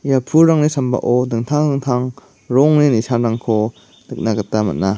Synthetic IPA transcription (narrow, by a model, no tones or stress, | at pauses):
japʰuɾaŋnisamba̰ʔɔdɯŋtʰaŋdɯŋtʰaŋ | ɾɔŋnenisʰanɾaŋkʰɔ | dɯk̚naɡatːamɐ̰t̚na